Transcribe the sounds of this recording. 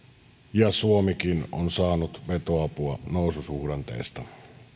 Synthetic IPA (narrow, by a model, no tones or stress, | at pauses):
jɑsuomikinonsɑːnut̪ʋet̪oɑpuɑnoˑususuhɾɑnt̪ḛːst̪ɑ